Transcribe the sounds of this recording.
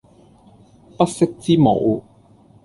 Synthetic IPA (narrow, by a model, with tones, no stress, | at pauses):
pɐ˥t̚sɪ˥k̚t͡siː˥mo̰˨˧˥w